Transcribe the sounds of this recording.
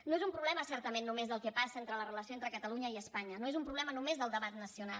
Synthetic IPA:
noezumpɾuβlɛməsɛɾt̪əmenːumezðəlˠkɛpasəent̪ɾələrələsioent̪ɾəkət̪əluɲəiəspaɲənoezumpɾuβlɛmənumezðəlˠd̪əβat̪nəsiunal

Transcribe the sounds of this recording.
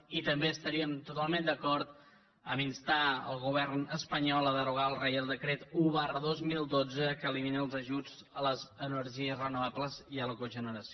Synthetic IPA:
it̪əmbeəst̪əɾiəmt̪ut̪alˠmend̪əkɔɾt̪ | əminst̪aə̰lˠɣuβ̞ɛrnəspəɲɔlˠəðəɾuɣaəlˠrɛjəlˠd̪əkɾet̪uβarəðozmilˠd̪od͡zəkəːliminəəlˠzəʒud͡z | ələzənəɾʒiəzrənuβ̞abləziələkoʒənəɾəsio

